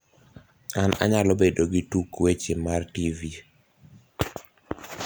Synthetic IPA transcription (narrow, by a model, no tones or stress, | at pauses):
ana̰ɲalɔbedoɡɪtukwet͡ʃemartivi